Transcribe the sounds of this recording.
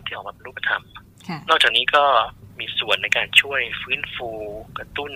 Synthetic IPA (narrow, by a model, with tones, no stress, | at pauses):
t̪ʰiː˥ʔɔː˨˩aː˧˩pe˧nɾu˥˩pʰa˧˩t̪ʰa̰˧m | nɔː˥˩k̚t͡ɕaː˨˩kniː˦˥kɔː˥˩miː˧su˨˩ənːa˧jkaː˧nt͡ɕʰu˥˩əjfɯː˦˥nfuː˧kɾa˧t̪u˥˩n